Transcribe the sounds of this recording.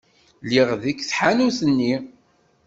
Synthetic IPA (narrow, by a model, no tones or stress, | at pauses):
liʁðikːθħanuθənːi